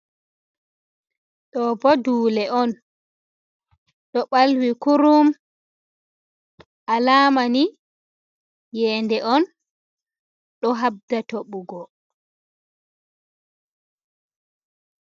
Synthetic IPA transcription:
ɗɔbɔduːlɛʔɔn | ɗɔɓalwikuɾum | ʔalaːmani | jɛːndɛʔɔn | ɗɔɦab̚datoɓuɡɔ

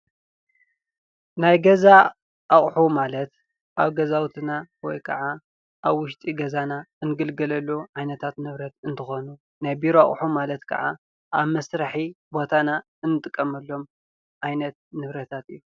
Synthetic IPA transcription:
najɡɐza | ʔaχʼħumalɐt̪ | ʔaβɡɐzawt̪ʰɨnawɔ̰jkʰɐ̰ʕa | ʔaβwʊʃt̪ʼiɡɐzanaɨnɨɡɨlɡɐlɐlːoʕajnɐt̪ʰat̪nɨβɾɐt̪ɨnt̪ʰɨxonu | najbiɾoa̰χʼħumalɐt̪kʰɐ̰ʕa̰ | ʔa̰βmɐsɾaħibo̞t̪ʰana | ɨnːɨt̪ʼɨkʼːɐmɐlːo̞m | ʕajnɐt̪̚nɨβɾɐt̪ʰat̪ɨjːu

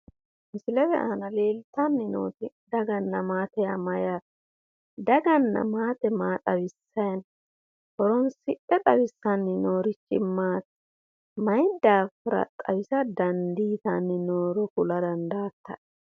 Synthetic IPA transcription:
mɪsɪlɛwɛ̰ʔaːnɐle̞ːlt̪ɐnːɪno̰ːt̪ɪ | d̪ɐɡɐnːɐmaːt̪ɛjamɐjaːt̪ | d̪ɐɡɐnːɐ̰maːt̪ɛmaːt̪ʼɐwɪsːɐjɐn | hɔɾɔnsɪʔɛt̪ʼɐwɪsːɐnːɪnoːɾɪt͡ʃːɪ̰maːt̪ | mɐjd̪aːfɪɾɐ̰t̪ʼɐ̰wɪsɐd̪ɐnd̪iːt̪anːɪnoːɾɔkʊlɐd̪ɐnd̪aːt̪ːɐ

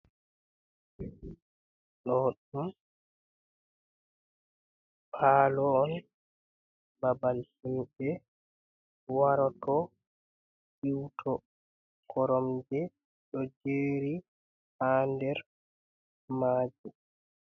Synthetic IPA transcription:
ɗɔɗum | pʰaːlɔːn | babalsimbɛ | waɾɔtɔ | ʔiwtʰɔ | kʰɔɾɔmd͡ʒɛ | ɗɔd͡ʒeːɾi | haːndɛɾ | maːd͡ʒu

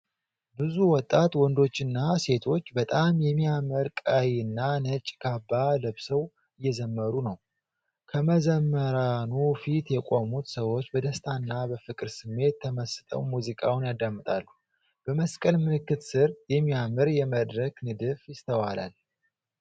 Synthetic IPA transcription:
bɨzuwɔt̪ʼːat̪wɔnd̪o̞t͡ʃːɨnːase̞t̪ʰo̞t͡ʃːbət̪ʼamjɛmːiamɨɾkʼajɨnːanət͡ʃʼɡʰabːaləβsəw | ɨjːɛzəmːəɾunəw | kʰəməzəmːəɾanufit̪jɛkʼo̞mut̪səwo̞t͡ʃːbəd̪əst̪ʰanːabəfɨkʼɨɾsɨmːe̞t̪ʰːəməsɨ̥t̪ʼə̰wmuzikʼawnjad̪ːamːɨt̪ʼalːu | b̥əməskʼəlmɨlɨkːɨt̪sɨɾjɛmːijamɨɾjɛməd̪ɾəknɨd̪ɨfjɪst̪ʰəwala̰l

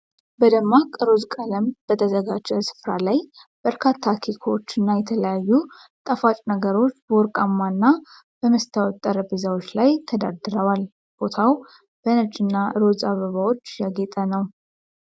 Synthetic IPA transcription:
bəd̪əmːakʼɨɾozkʼələmb̥ət̪ʰəzəɡad͡ʒɛsɨ̥fɾalaj | b̥əɾkʰat̪ʰːakʰekʰoot͡ʃːɨnːajɛt̪ʰələjajːu | t̪ʼəfat͡ʃʼnəɡəɾo̞t͡ʃːbəwɔɾkʼamːanːa | b̥əməst̪ʰawɔt̪ʼːəɾəbɨzawot͡ʃːlajt̪ʰəd̪a̰d̪ɨɾəwal | b̥o̞t̪ʰaw | b̥ənət͡ʃʼːɪnːaɾozaβəβawo̞t͡ʃːjaɡet̪ʼənəw

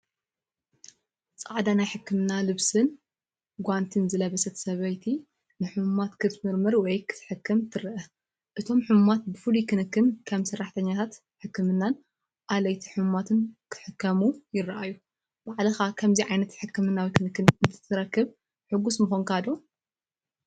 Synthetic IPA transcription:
t͡sʼaʕd̪anajħɨkːɨmɨnalɨβsɨn | ɡʷant̪ʰɨnzɨlɐβɐsɐt̪ʰsɐβɐjt̪ʰi | nɨħɨmmat̪kʰɨt̪mɨɾmɐɾwɔjkʰɨ̥t̪ʰħɨkʰːɨmt̪ʰɨɾɨʔɐ | ʔɨt̪ʰo̞mħɨmmat̪̚bɨfɨlikɨnɨkːɨnkʰɐmsɐrːaħt̪ʰɐɲːat̪ʰat̪ | ħɨkːɨmɨnːan | ʔalɐjt̪ʰiħɨmmat̪ʰɨnkʰħɨkːɐmujɪɾɨʔajːu | b̥aʕlɨxakʰɐmziʕajnɐt̪ħɨkːɨmɨnːawikʰɨnɨkːɨnɨt̪ʰɨ̥t̪ʰːɨɾɐkːɨβ | ħɨɡːusmɨxonkad̪o

